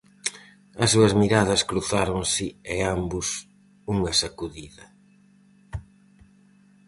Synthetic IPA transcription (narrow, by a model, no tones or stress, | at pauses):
ɐsuɐzmiɾaðɐskɾuθaɾoŋsɪɛambʊs | uŋɐsakuðiðɐ